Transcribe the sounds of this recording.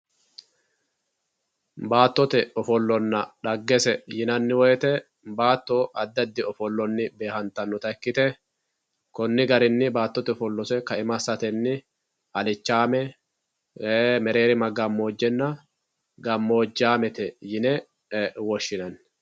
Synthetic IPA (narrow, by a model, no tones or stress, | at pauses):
baːt̪ːɔt̪ɛɔfɔlːɔnːɐᶑɐɡːɛsɛjɪnɐnːɪwɔjt̪ɛ | baːt̪ːoʔɐd̪ːɐd̪ːɪɔfɔlːɔnːɪbe̞ːhɐnt̪ɐnːɔt̪ɐkːɪt̪ɛ | kɔnːɪɡɐɾɪnːɪbaːt̪ːɔt̪ɛɔfɔlːɔsɛkɐɪmɐsɐt̪ɛnːɪ | ɐlɪt͡ʃːaːmɛ | mɛɾe̞ːɾɪmɐɡɐmːo̞ːd͡ʒːɛnːɐ | ɡɐmːo̞ːd͡ʒːaːmɛt̪ɛjɪnɛ | wɔʃːɪnɐnː